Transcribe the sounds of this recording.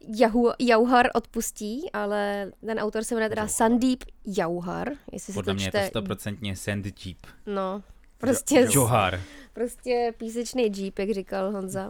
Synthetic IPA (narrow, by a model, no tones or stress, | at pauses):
jaɦujawɦaɾʔo̞t̪pusciːʔalɛt̪ɛnʔawt̪o̞ɾsɛvɛnɛt̪ɛdasandiːpjawɦa̰ɾjɛ̰sɪsɛodllɛomt͡ʃɲɛt̪ɛst̪opɾot͡sɛnt̪ɲɛsɛnd̪d͡ʒiːpno | pɾoscɛʒoɦa̰ɾpɾoscɛpiːs̬ɛt͡ʃnejd͡ʒiːpjaɡrikalɦonza